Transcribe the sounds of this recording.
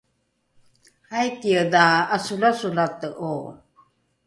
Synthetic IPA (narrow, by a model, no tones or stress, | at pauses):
hajkiədaːsulasulat̪əʔo